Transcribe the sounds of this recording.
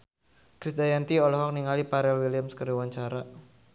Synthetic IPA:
kɾisd̪ajant̪iɔlɔɦɔk̚niŋalipaɾɛlwiliəmskəriwaɲt͡ʃaɾa

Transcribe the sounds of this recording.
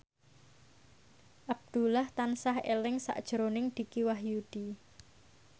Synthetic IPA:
ʔab̚d̪̥ṳlaht̪ansahelɪŋsa̰ʔd̥ʒ̥əɾonɪŋd̪̥i̤kiwaɦjud̪̥i

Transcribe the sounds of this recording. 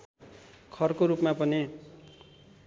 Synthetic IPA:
kʰʌrkoɾupmapʌni

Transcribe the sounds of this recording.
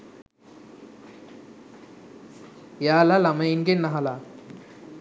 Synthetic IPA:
jalalamainkennːaɦala

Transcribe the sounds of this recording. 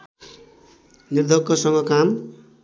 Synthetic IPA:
nird̪ʱʌkːʌsʌŋɡʌkam

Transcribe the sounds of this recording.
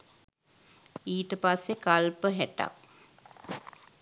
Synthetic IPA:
iːʈəpasːekalpəɦæʈa̰k̚

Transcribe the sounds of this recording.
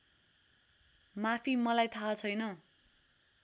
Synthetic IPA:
mapʰimʌlajt̪ʰat͡sʰʌjnʌ

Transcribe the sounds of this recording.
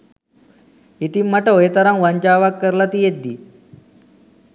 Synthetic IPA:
it̪imːɐʈɐojet̪ɐɾaŋʋɐɲt͡ʃaːʋakːəɾlat̪ied̪i

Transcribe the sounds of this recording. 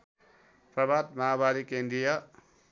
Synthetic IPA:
prʌbʱat̪̚maabaɾikend̪ɾijʌ

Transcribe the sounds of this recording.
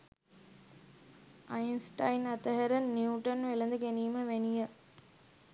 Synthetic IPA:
ɐjnsʈɐjnɐt̪ɐɦɐɾɐnːjuuːʈɐnʋelɐnd̪ɨkeniːmɐʋenijɐ

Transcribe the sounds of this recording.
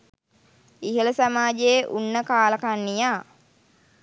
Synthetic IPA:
iɦələsamaːd͡ʒeeʔunːəkaːlɐkanːijaː

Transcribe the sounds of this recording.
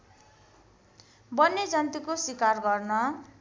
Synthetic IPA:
bʌnːed͡zʌnt̪ikoswikarɡʌrnʌ

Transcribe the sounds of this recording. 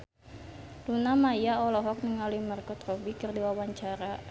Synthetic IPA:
lunamajaɔlɔɦɔk̚niŋalumarkɔt̪rɔbikərdiwawaɲt͡ʃaɾa

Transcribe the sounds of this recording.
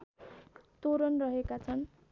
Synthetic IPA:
t̪oɾʌnrʌɦekat͡sʰʌn

